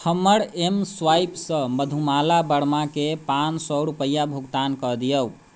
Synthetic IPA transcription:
hʰəmːəɾemswajpsə̃məd̪ʱumalabəɽmakepansɔɾupəjːabʱuɡt̪ankəd̪ijəu

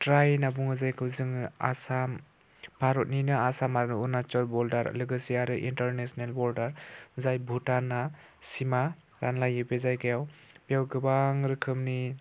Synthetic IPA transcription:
tɾajnabuŋɯzajkʰɯwzɯŋɯa̰sam | pʰaɾɔt̚ninɯasamaɾunat͡ʃɔlbɔldaɾ̰lɯɡɯsiaɾɯʔḭntaɾnesɔnelbɔldaɾzajbʱutana | sima | ɾanlajɯbezajɡajawpijawɡɯbaŋɾɯkʰɯmni

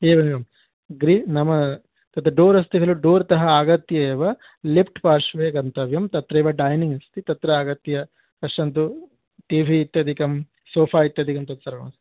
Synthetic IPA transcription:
eːʋɐnɡɐm | ɡɾinɐmɐ | t̪ɐt̪ɾɐɖoːɾɐst̪iɡɐluɖoːɾt̪ɐɦɐaːɡɐt̪jɐeːʋɐ | lipʰʈpaːɾʂʋeːɡɐnt̪ɐʋjɐmt̪ɐt̪ɾɐːʋɐɖɐːjniŋɡɐst̪it̪ɐt̪ɾɐaːɡɐt̪jɐ | kɐʂʈɐnt̪u | ʈiːʋʱiːt̪ːɐd̪ʱikɐm | soːpʰaːit̪ːɐd̪ʱikɐmt̪ɐt̪sɐɾɐɡɐɐs

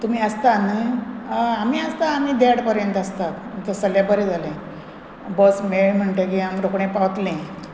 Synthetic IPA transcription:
t̪um̤iːəst̪anə | amiəst̪aːmiːd̪eɽpəɾjənt̪əst̪at̪t̪əsəlabəɾed͡zʱalẽ | bəsmeɽm̤əɳʈ̪ekiamɾokɳẽpaʋt̪lẽ

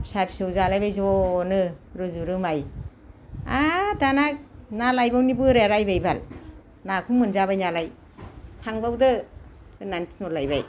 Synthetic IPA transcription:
sapsɯwzalajbajzɔnɯɾɯzuɾɯmaj | adanak̚nalajbawnibɯɾeɾajbajbal | nakʰuŋmɯnzaβajnalaj | sʰaŋbawdɯ | nantʰi̥nɔlajba̰j

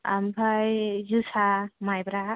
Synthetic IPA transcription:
a̰mbʱajzusamajbɾa

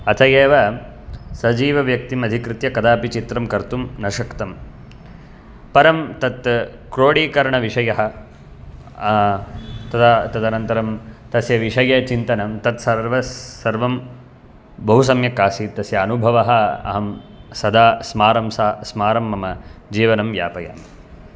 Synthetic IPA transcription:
ɐt̪ʰɐjeːʋɐ | sɐd͡ʒiːʋɐʋjɐk̚t̪imɐd̪ʱikɾɪt̪jɐkɐd̪aːpit͡ʃit̪ɾɐmkɐɾt̪umnɐʃɐkt̪ɐm | pɐɾɐmt̪ɐt̪ | kɾoːɽiːkɐɾɳɐʋiʂɐjɐɦɐ̆ | t̪ɐt̪ʰat̪ɐd̪ɐnɐnt̪ɐɾɐmt̪ɐsjɐʋiʂɐjɐt͡ʃint̪ɐnɐmt̪ɐt̪sɐɾʋɐsɐɾʋɐm | bɐɦus̬ɐmjɐkaːsit̪ɐsjɐːnubʱɐʋɐɦɐɐ̰ɦɐmsɐd̪aːsmaːɾɐmsaːsmaːɾɐmːɐmɐd͡ʒiːʋɐnɐmjaːpɐja̰ːm

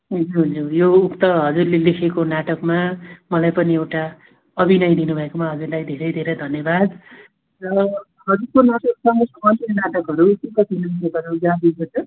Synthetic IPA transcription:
ɦund͡zuɦd͡zujoukt̪ʌɦʌd͡zurlelekʰekonaʈʌkmamʌlajpʌniewʈa | ʌbinʌjd̪inubʱʌekomaɦʌd͡zurlajd̪ʱeɾʌjd̪ʱeɾʌjd̪ʱʌnjʌbad̪ | rʌ | ɦʌd͡zurkonaʈʌksʌŋʌsʌmʌninaʈʌkɦʌɾukikʌtʰinʌmisʌkʌɾud͡zãb̪iɡot͡sʰʌ

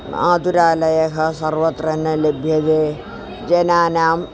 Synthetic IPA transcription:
a̰ːd̪uɾaːlɐjɐkɐsɐɾʋɐt̪ɾɐnːɐlebʱjɐd̪eː | d͡ʒɐnaːnaːm

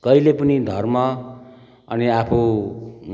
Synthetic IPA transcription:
kʌilepʌnid̪ʱʌrmʌ | ʌniapʰo

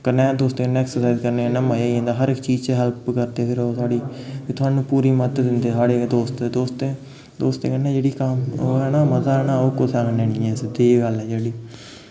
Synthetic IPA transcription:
kəɾnẽːd̪oːst̪eːkənːɛksəɾsaɪzkəɾneːnamajaːiɦẽːnd̪aːɦəɾɪkːt͡ʃiːzt͡ʃɦɛlpkəɾd̪eːpʰɪɾoːsaːɽiːiːt̪ʊɦaːnũːpuːɾiːmət̪d̪ɪnd̪eːsaːɽeːd̪oːst̪ːd̪oːst̪eː | d̪oːst̪ḛːkənːẽːd͡ʒeːɽiːkəmoːɛːnaːmət̪aːɛːnaːoːkʊt̪ʰaːkəneːnɪ̃ːɛ̃ːsd̪eːɡəlɛːd͡ʒeːɽiː

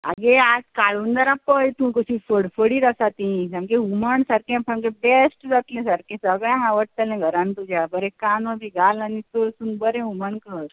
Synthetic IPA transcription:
a̰ɡeakaɭuːnd̪aɾapəjt̪ũkəɕĩfəɽfəɽiɾəsat̪ĩsãmkẽuməɳsaɾkẽpʰamkẽbesʈd͡zat̪lẽsaɾkẽsəɡɭjãɦaʋəʈt̪əlɛ̃ɡʱəɾãnt̪ud͡ʑʱjabəɾɛ̃kanəbiɡʱalanit̪osũnbəɾẽuməɳkəɾ

